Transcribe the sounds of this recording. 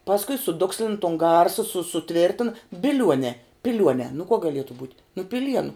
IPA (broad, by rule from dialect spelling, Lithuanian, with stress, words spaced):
pɐsˈkʊɪ sʊˈdʊksʲlʲɪn toːn ˈɡɐrsɐ sʊ sʊˈtʲʋʲɪrʲtʲɪnɐ bʲɪˈlʲuɔnʲɛː pʲɪˈlʲuɔnʲɛː nʊ kuɔ ɡɐˈlʲiɛtʊ buːtʲ nʊ pʲɪˈlʲiɛnʊ